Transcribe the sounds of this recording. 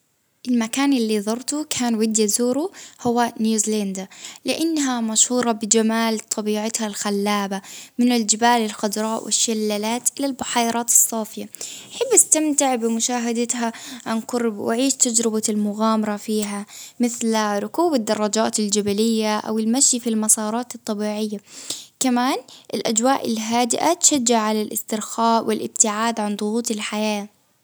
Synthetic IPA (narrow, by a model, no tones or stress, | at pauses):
ʔɪlmakaːnʔɪlːiðˤɑɾˤt̪ukʰaːnwɪd̪jazuːɾuhʊwːanjuːzland̪alɪʔanːɦamaʃhuːɾˤɑbɪd͡ʒamaːlt̪ˤʰɑbiːʕat̪halxalːaːbamɪnald͡ʒɪbaːlɪlxʊd̪ɾˤɑːʔwʔɪ̰ʃːalːalaːt̪ʔɪlalbʊħɑːjɾˤʔɑːt̪ɑ̥sˤːɑːfɪjaʔaħabːʔast̪amt̪ɪʕbɪmʊʃaːɦad̪at̪ɦaʕanqʊɾˤbwɪ̰ʕiːʃt̪ad͡ʒɾɪbalmʊɣaːmɑɾˤɑfiːɦamɪθlɾˤʊkuːbad̪ːɑrˤːɑd͡ʒaːt̪ɪld͡ʒabalɪjːaʔa̰wɪlmaʃjfilmɑsˤɑːɾˤɑːt̪ɨt̪ˤːɑbiːʕɪjːakamaːnʔɪlʔad͡ʒwaːʔɪlɦaːd̪ɪʔat̪ʃad͡ʒːɪʕʕalalʔɪ̰st̪ɪɾxaːʔwɪlʔɪb̚t̪ɪʕaːd̪ʕand̪ˤʊɣuːt̪ˤɪlħajaː